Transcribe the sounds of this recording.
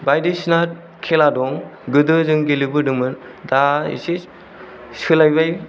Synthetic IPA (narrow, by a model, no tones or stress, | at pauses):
bajdisnaɾ̚ | kʰeladɔŋɡɯdɯzɯŋɡelibɯdɯmɯn | daḭsi | sɯlajbaj